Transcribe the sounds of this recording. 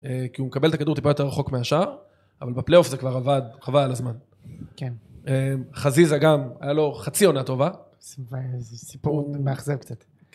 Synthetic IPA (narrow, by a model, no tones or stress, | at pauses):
ekiumekabelt̪akaduʁt̪ipajote̞ʁaχo̞kmeaʃaʁ | avalbeple̞jo̞fzekvaʁavad̪avaalazman | kenemχazizaɡama̰jalo̞χat͡sio̞nat̪o̞va | svesipuʁmeaχzevkt͡sat̪